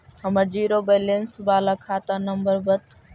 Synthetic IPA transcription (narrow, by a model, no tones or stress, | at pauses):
ɦəməd͡ʒiːɾoːbeːlensbaːlaːkʰaːt̪aːnəmbəɾbət̪